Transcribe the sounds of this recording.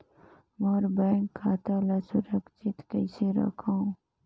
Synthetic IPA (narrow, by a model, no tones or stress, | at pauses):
moːɾbaːŋkʰːaːt̪aːlasʊɾəkʃʰɪt̪kəɪseɾə̰kʰãũ